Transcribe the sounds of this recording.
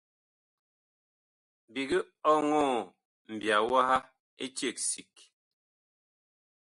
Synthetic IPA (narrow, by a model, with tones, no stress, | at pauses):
bi˨ɡi˦ | ɔ˦ŋɔː˦˨ | m̩˨bja˨wa˦ha˦ | e˦t͡ʃje˦˨k̚si˨k